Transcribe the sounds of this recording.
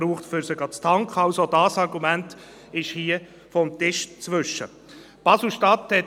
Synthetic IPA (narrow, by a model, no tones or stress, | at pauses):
ɾuːχtfʏɾsəɡɑt͡stʰɑŋkχɑʊsodɑːsɑɾɡumænt | ɪʃhiə | fɔmt̪ɪʃt͡sʋʏʃːə̰ | pɑsl̩ʃtɑthɛ